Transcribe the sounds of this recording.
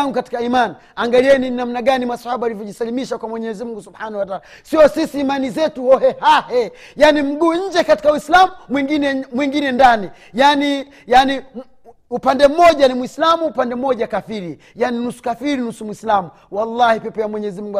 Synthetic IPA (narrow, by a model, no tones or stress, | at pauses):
ŋɡukati̥kaimani | aŋɡaliɛnininam̩naɡanimasḁhaɓaalivjɔʄisalimiʃakwamwɛɲɛzimuŋɡusubhanahwataaːla | siɔsisiːmanizɛtuɔhɛhahɛ | janim̩ɡuːɲ̩d͡ʒɛkati̥kauwislamumwiŋɡinɛmwiŋɡinɛndani | jani | jani | upandɛm̩mɔʄanimwislamuːpandɛm̩mɔɟakafiɾi | janinusu̥kafiɾinusumwislamu | walːahipɛpɔjamwɛɲɛzimuŋɡu